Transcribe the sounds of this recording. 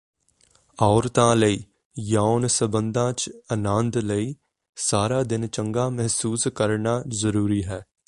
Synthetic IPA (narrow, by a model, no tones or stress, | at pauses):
aːɾt̪ãːləiː | jaːʊnsəbə̃nd̪ãːt͡ʃənãːnd̪ləiː | saːɾaːd̪ɪnt͡ʃə̃ŋɡaːmɛɦsuːskəɾnaːzəɾuːɾiːɦɛː